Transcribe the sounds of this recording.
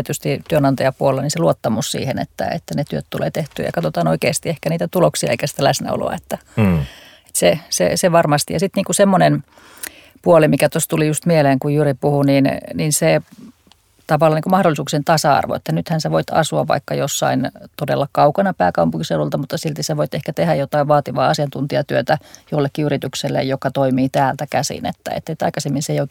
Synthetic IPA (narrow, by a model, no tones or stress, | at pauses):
t̪yst̪it̪yønɑnt̪ɑjɑpuolelːɑninseluot̪ːɑmussḭːhḛnḛt̪ːæ̰ḛt̪ːænet̪yøt̪t̪ulḛːt̪eht̪y̰ːjɑ̰kɑt̪ot̪ɑːnoikeˑːst̪iehkæniːt̪æt̪uloksiɑ̰ḛikæsi̥t̪ælæsnæ̰o̰lo̰ɑ̰et̪ːæ | e̥t̪sesḛseʋɑrmɑst̪ijɑsit̪niːŋkusemːonen | puolimikæt̪ost̪ulijust̪mieleːŋkujjyripuhuninninse | t̪ɑʋɑlːɑniŋkumɑhɾolːˑisuːksent̪ɑsɑɑ̰rʋo̰ḛt̪ːænyt̪hænseʋoit̪ɑ̰suɑ̰ʋʋɑ̰ikːɑjosːɑ̰int̪odḛlːɑkɑukɑnɑpæːkɑmpuŋkiselult̪ɑmut̪ːɑsilt̪iseʋoit̪ehkæt̪ehæjjot̪ɑiʋʋɑːt̪iʋɑ̰ːɑsiɑnt̪unt̪iɑt̪yøt̪æjolːekːiyrit̪ykselːḛjjokɑt̪oimiːt̪æːlt̪ækæsḭnḛt̪ːæ̰ḛt̪ːet̪ɑ̰ikɑsemːinseioik